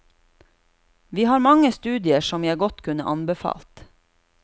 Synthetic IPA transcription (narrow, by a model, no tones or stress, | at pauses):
ʋiːhɑːɾmɑŋəst̪ʉːd̪ɪəʃɔmjæɡɔt̪kʰʉnəʔɑnbəfɑ̰ːlt̪